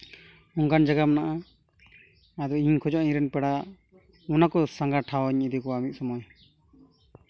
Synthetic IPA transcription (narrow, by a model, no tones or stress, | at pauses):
ɔŋkand͡ʒaɡamnaʔa | ad̪ɔiɲkʰɔd͡ʒɔʔĩɾɛnpɛɽa | ɔnakɔsãŋɡaʈʰawɔɲid̪ikɔamit̪̚sɔmɔj